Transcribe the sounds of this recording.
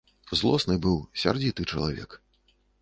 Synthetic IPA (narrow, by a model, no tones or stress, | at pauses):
zlˠɔsnɨbɨwsʲa̰rd͡zʲit̪ɨt͡ʂɐlˠavʲɛ̰k